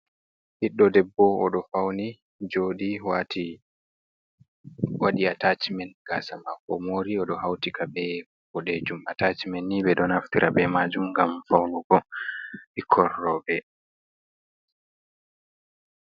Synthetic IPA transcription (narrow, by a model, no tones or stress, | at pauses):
hiɗːɔdɛbːɔɔ̰ɗɔfawni | d͡ʒoːɗiwatʰi | waɗiatat͡ʃimɛnɡ̥asamakːɔmoːɾiɔɗɔɦawtikabɛ | bɔɗed͡ʒumatat͡ʃimɛnːiɓɛɗɔnaftiɾʔabɛmad͡ʒumɡamfawnuɡɔ | ikʰɔrːɔbɛ